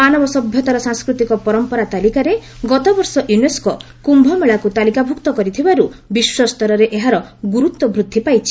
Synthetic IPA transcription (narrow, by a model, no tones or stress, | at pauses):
anɔbɔsɔbʱjɔt̪aɾɔsaŋskɾut̪ikɔpɔɾɔmpɔɾat̪alikaɾe | ɡɔt̪ɔbɔɾsɔʔjunesko | kumbʱɔmeɭakut̪alikabʱukt̪ɔkɔɾit̪ʰibaɾubiswɔst̪ɔɾɔɾeʔeɦaɾɔɡuɾut̪wɔbɾud̪ʱːipajt͡ʃʰi